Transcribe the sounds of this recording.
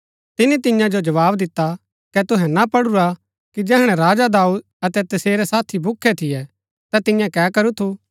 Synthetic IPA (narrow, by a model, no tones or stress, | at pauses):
t̪ɪnit̪ɪ̃jãd͡ʒod͡ʒɐʋaːbd̪ɪt̪ːa | kɛt̪ʊɦɛ̃napɐɽuɾa | kid͡ʒɛːɦɽ̃ɛ̃ɾaːd͡ʒad̪aːuːd̪ | ɐt̪ɛt̪ɐseːɾɛsaːt̪ʰibʊkʰːɛt̪ʰɪjɛ | t̪ɛt̪ɪ̃jãkɛːkɐɾut̪ʰu